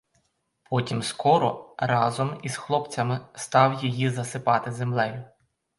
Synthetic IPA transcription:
pɔtʲimskɔɾɔ̰ɾɑzɔmizxlˠɔpt͡sʲɐmɪst̪ɑwjijizɐsɪpɑt̪ɪzemlˠɛjʊ

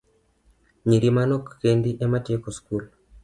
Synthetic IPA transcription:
ɲiɾimanokːendiʔematekoskul

